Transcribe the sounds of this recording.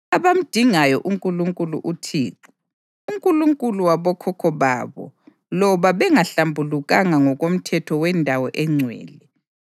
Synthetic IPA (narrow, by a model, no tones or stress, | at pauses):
aβam̩d̥ʱiŋajɔʔuŋkʼuluŋkʼuluʔutʰḭːǁi | uŋkʼuluŋkʼuluwaβɔkʰɔkʰɔβa̰βɔ̰ | lɔβaβɛŋaɬambʱuluɣaŋaŋɔɣom̩tʰɛtʰɔwɛndʱawɔʔɛŋ͡ǀʱwɛ̰ːlɛ